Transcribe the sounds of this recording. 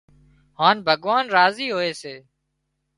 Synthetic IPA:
haːnbʱəɠʋaːnɾaːziːɦoːeːseː

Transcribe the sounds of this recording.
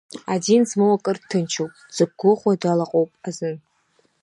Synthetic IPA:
adinzmowakʼɨrtʰːɨnt͡ʃʰowpʼz̥ɨɡ̚ɡʷʊχʷadalaqʼowpʼazɨn

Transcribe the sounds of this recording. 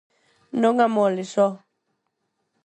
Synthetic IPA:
nɔŋamɔlisɔ

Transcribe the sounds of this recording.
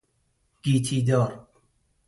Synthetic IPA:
ɡ̥iːt̪ʰiːd̪ɔːɾ

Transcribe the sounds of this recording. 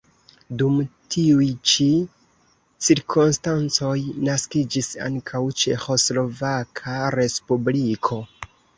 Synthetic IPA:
dumtʰiujt͡ʃi | t͡siɾkʰonstant͡so̞jnaskid͡ʒisa̰ŋkʰawt͡ʃe̞xo̞slo̞vakʰaɾe̞spublikʰo̞

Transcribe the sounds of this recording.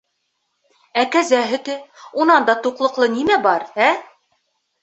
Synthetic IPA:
ækæzæɦɘ̆t̪ɘunɑnd̪ɑt̪uqlˠɤ̆qlˠɤnimæbɑɾæ

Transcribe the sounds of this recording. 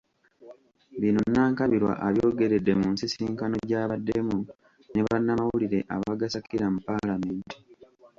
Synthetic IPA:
βino̞nːaːŋkaβiɾwa̰ʔaβjoːɡe̞ɾedːe̞muːnsisiːŋkano̞ɟaːβadːe̞mu | neβanːamawuliɾe̞ʔa̰βaɡasakiɾamupalameːnti̥

